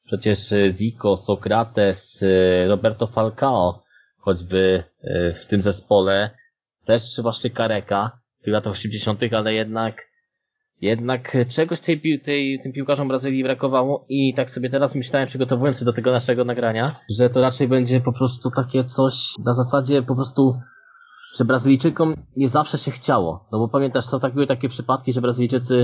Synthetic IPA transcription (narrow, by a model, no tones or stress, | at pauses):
pʂɛt͡ɕɛʂzʲikɔsɔkɾat̪ɛsɾɔbɛɾt̪ɔfalkaɔ | xɔd͡ʑbɘ | ft̪ɘmzɛspɔlɛ | t̪ɛʂpʂɨvwaɕɲɛkaɾɛka | t̪ɨxlat̪axɔɕɛmd͡ʑeɕɔnt̪ɘxalɛjɛd̪̚nak | jɛd̪nakt͡ʂɛɡɔɕt̪ɛjpʲit̪ɛjt̪ɘmpʲiwkaʐɔmbɾazɘlʲjibɾakɔvawɔit̪aksɔbʲjɛt̪ɛɾasmɘɕlawɛmpʂɘɡɔt̪ɔvujɔnsɕɛd̪ɔt̪ɛɡɔnaʂɛɡɔnaɡɾaɲaʐɛt̪ɔɾat͡ʂɛjbɛɲd͡ʑɛpɔpɾɔst̪ut̪akʲɛt̪sɔɕnazasad͡ʑɛpɔpɾɔst̪u | ʐ̥ɛbɾazɘlʲijt͡ʂɘkɔmɲɛzafʂɛɕɛxt͡ɕawɔ̰nɔbɔpamʲjɛnt̪aʂsɔ̃w̃t̪aɡ̚bɘwɘt̪akʲɛpʂɘpat̪̚kʲiʐɛbɾazɘlʲijt͡ʂɘt̪sɘ